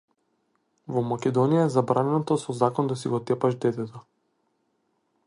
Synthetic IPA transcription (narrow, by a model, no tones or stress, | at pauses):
vɔmakʲɛd̪ɔnijaɛzabɾanɛnɔt̪ɔsɔzakɔnd̪asiɡɔt̪ɛpaʒd̪ɛt̪ɛt̪ɔ